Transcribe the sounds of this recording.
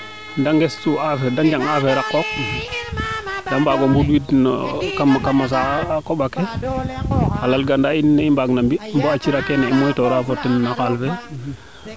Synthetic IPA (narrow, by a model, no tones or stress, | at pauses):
ndaŋɡestuafedaŋd͡ʒaŋafeɾakːok̚ | dambaɡombudwidn̰kamkamas̬akoɓake | alalɡandainːeimbaɡnambimboat͡ʃiɾakenaimojtoɾafotːinnakalfe